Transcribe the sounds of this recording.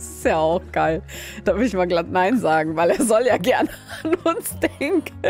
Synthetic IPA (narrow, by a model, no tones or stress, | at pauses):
sɪ̥stjaːaʊxɡ̥aɪld̥aɪɪçmaːɡlatnaɪnzaːɡŋ̩vaɪleːɐzɔljaːɡɛɐnəanʊnsd̥ɛŋk